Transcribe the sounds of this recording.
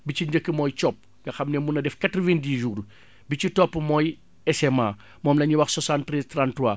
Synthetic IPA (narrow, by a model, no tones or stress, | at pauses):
bit͡ʃiɲɟəkːəmɔːjt͡ʃɔp̚ː | ɡɐxɐmnɛmunɐdɛfkatɾɔvindiːʒuːr | bit͡ʃitɔpːmɔːj | ɛsɛma | mɔːmlɐɲuwɐxsɔsantɾɛztrantuwa